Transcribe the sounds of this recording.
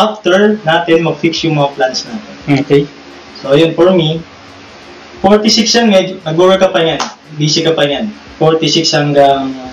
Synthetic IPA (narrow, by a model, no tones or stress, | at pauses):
ʔaft̪ɛɹnaːt̪ɛnmɐɡ̚fiksjʊŋmɐŋaplansnaːt̪ɛnokej | soɐjonfɔɹmi | foɹt̪ɪsɪkshɐŋmɛd͡ʒnɐɡ̚bobɛɹkɐpɐɲan | biːsɪkɐpɐɲan | foɹt̪ɪsɪkshɐŋɡɐŋ